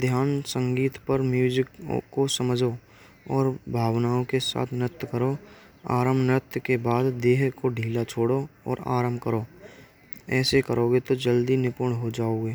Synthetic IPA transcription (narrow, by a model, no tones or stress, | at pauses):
d̪ʱjaːnsə̃ŋɡiːt̪pəɾmjuːd͡ʒɪkkosəməd͡ʒʱo | ɔːɾbʱaːwnaːõkesa̰ːt̪ʰnət̪ːkəɾo | a̰ːɾəmnɾət̪kebaːd̪d̪eːɦkoɖʱiːlat͡ʃʰoːɽoɔ̰ːɾa̰ːɾəmbkəɾoː | ɛːsekəɾoːɡet̪od͡ʒəld̪inɪpʊɳɦod͡ʒaːoːɡeː